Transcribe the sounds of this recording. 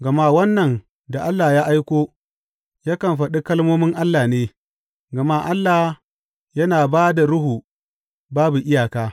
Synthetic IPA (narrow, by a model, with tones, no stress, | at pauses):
ɡɐ˨ma˦wɐ˦nːɐ˨n | da˨ʔa˦lːaː˨jaː˦ʔa˦jkʷoː˦ | jaː˦kɐ˨mɸɐ˨ɗi˦kɐ˦lmoː˦mɪ˦ŋʔa˦lːaː˨neː˦ | ɡɐ˨ma˦ʔa˦lːa˨h | jɐ˦naː˨baː˦da˨ɽʊ˦ɦuː˨ | baː˦bu˨ʔɪ˦jaː˨kaː˦